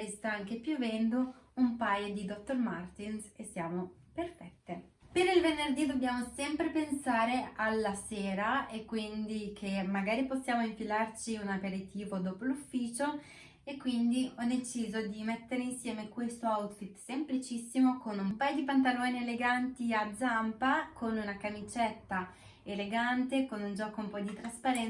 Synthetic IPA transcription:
ɾist̪aaŋk̟epjuvɛnd̪uumpajod̪id̪ɔt̪ːormart̪insesːjaːmoperfɛt̪ːe | peɾilvenːerd̪id̪obːjaːmosɛmpɾepensaːɾealːasɛːɾaekːwind̪ikʰemːaɡaːɾiposːjaːmoiɱfilart͡ʃiunapeɾit̪iːvod̪oːpolufːiːt͡ʃo | ekːwind̪iɔd̪et͡ʃiːzod̪imet̪ːeɾeinsjɛːmekwest̪oawt̪fit̪semplit͡ʃisːimokonummpajod̪ipant̪̬alɔːnieleɡant̪iad̪zːampakʰonunakamit͡ʃɛt̪ːa | eleɡant̪ekonund͡ʒɔːkoumpɔd̪it̪ɾaspaɾɛn

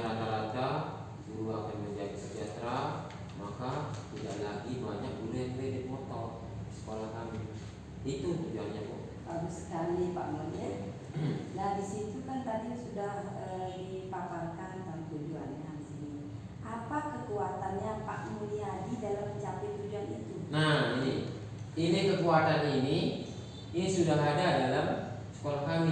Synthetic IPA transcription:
ɾad̪alada | suɾuakanməɲd͡ʒadisəd͡ʒat̪ɾa | makasidahlaɡibaɲak̚bulɛkɾehdip̪mɔt̪ɔ | isə̥kolahkami | it̪ut̪ud͡ʒualɲaʔbu | pabusə̥kalipa̰ʔmulia | nadisit̪ukant̪adisudah | əipaparkant̪amt̪ud͡ʒuanɲadisini | ʔapakəkuat̪anjapa̰ʔmuliadidalamːət͡ʃapɪt̪̚ːud͡ʒuanit̪unaini | inikəkuat̪anini | inisudaɦadadalamsə̥kolahkami

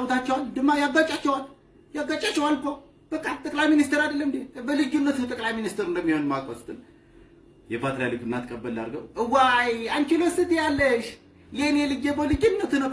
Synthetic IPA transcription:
wt̪at͡ʃːɛwald̪ɨmːajaɡat͡ʃʼat͡ʃːɛwal | jaɡːat͡ʃʼat͡ʃːɛwalbə | b̥əkʼamt̪ʼəkʼlajminist̪ʰeɾad̪əlːəmd̪ebəlɨd͡ʒunːət̪nəwt̪ʼəkʼlajminist̪eɾɨnd̪əmːiho̞nmakʼosʼɨt̪ʼɨn | jɛfat̪ʰɾjalɨkɨnːat̪kʼəbːəlːa̰ɾɡəwʔɨwajand̪kʰilosɨt̪ijalːəʃ | jenjɛlɨd͡ʒebəlɨd͡ʒunːət̪nəw

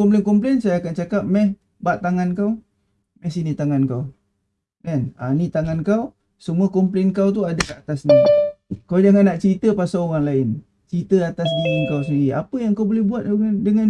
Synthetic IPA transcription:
kɔmplɛnkumplɛnsajaːkant͡ʃakap̚mɛh | baʔt̪aŋankaw | mɛhsinit̪aŋankaw | dana̰nit̪aŋankaw | səmuakumplɛnkawt̪uadakaat̪asnikawd͡ʒaŋanːaʔt͡ʃəɾit̪əpasaoɣaŋlaɪn | t͡ʃɾit̪əat̪asdiaŋkaws̬ənia̰pəjaŋkawbolɛhbuat̪̚andəŋan

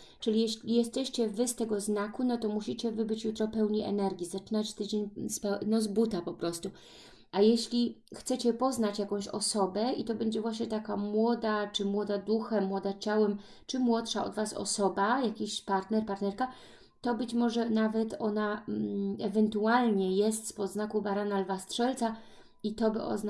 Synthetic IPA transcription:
t͡ʂɘlʲijɛɕlʲijɛst̪ɛɕt͡ɕɛvɘst̪ɛɡɔznakunɔt̪ɔmuɕit͡ɕɛvɘbɘt͡ɕjut̪ɾɔpɛwɲiʔɛ̰nɛɾɡʲizat͡ʂɘnat͡ɕt̪ɘd͡ʑeɲspɛnɔzbut̪apɔpɾɔst̪u | ajeɕlʲi | xt̪sɛt͡ɕɛpɔznat͡ɕjakɔ̃w̃ɕɔ̰sɔbɛit̪ɔbɛɲd͡ʑɛvwaɕɲɛt̪akamwɔd̪at͡ʂɘmwɔd̪ad̪uxɛmwɔd̪at͡ɕawɛm | t͡ʂɘmwɔt̪ʂaɔ̰d̪vasɔ̰sɔbajakʲiɕpaɾt̪nɛɾpaɾt̪nɛɾka | t̪ɔbɘt͡ɕmɔʐɛnavɛt̪ɔna | ɛvɛnt̪ualɲɛjɛst̪spɔd̪znakubaɾanalvast̪ʂɛlt̪sa | it̪ɔbɘʔɔ̰zn

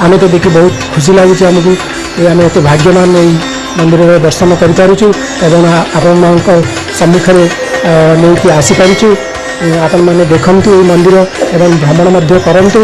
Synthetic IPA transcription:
amet̪ed̪ekʰibɔɦut̪kʰus̬ilaɡut͡ʃʰiamɔk̬u | eameːt̪ibʱaɡjɔmanei | mɔnd̪iɾɔɾed̪ɔɾsanɔkɔɾit̪aɾut͡ʃʰu | ebɔŋapɔɽ̃ɔmaɔŋkɔ | sɔmːukʰɔɾe | neikiasipaɾit͡ʃʰu | apɔɽɔmaned̪ekʰɔnt̪ueimɔnd̪iɾɔebɔŋbʱɾɔmɔɽ̃ɔmɔd̪ʱjɔkɔɾɔnt̪u

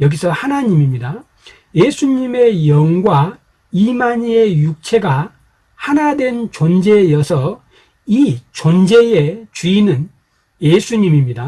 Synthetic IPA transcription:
jʌɡisʰʌhanaɲimimɲida | jesʰuɲime̞jʌŋɡwa | imaɲie̞juk̚t͡ɕʰe̞ɡa | hanadwe̞nt͡ɕond͡ʑe̞jʌsʰʌ | it͡ɕond͡ʑe̞et͡ɕuinɯn | jesʰuɲimimɲida

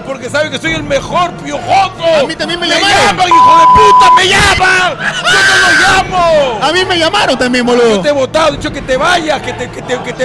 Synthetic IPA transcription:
poɾke̞saβeke̞so̞je̞lmexoɾpjoxokoamit̪ambjenmejamaamaŋiixoβeput̪ameʝamaŋd͡ʒonoloʝamoamime̞ʝamaɾont̪ambjenboloot̪eeβot̪aðoit͡ʃoke̞t̪eβaʝasket̪eket̪eket̪e

